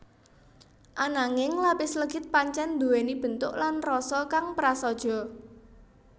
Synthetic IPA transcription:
ʔanaŋɪŋlapɪsləɡ̥ɪt̪̚paɲt͡ʃɛnd̪uwenib̥ə̤nt̪ʊʔlanrɔsɔkaŋpɾasɔd̥ʒ̥ɔ̤

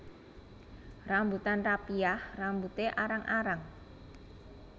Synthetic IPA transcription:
rambut̪anrapiahrambut̪eʔaɾaŋʔaɾaŋ

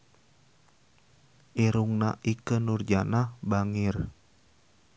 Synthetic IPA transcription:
ʔiɾuŋnaʔikənurd͡ʒanahbaŋɪr

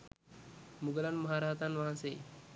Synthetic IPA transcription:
muɡəlanməɦaɾaɦt̪anʋaɦanseː

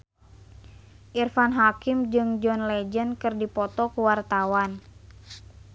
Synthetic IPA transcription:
ʔirfanɦakimd͡ʒɨŋd͡ʒɔnlɛd͡ʒənkɨrdipɔt̪ɔkuwart̪awan

